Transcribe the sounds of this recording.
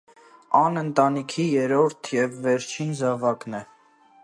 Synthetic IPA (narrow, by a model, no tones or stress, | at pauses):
ɑnənt̪ɑnikʰijɛɾɔɾt̪ʰjɛvːɛɾt͡ʃʰinzɑvɑknɛ